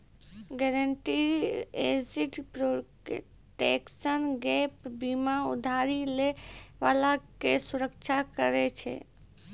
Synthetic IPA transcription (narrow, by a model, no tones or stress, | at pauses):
ɡɛɾəɳʈied͡ʒiʈpɾo | ʈeksənɡɛpbimaṵd̪ʱaɾileʋalakesuɾəkt͡ʃʰakəɾɛt͡ʃʰɛ̰